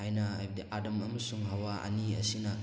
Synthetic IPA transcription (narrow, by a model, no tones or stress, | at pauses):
ajnɐajbdiʔadɐmɐmɐsuŋɦɐwaʔɐ̰niɐ̰sinɐ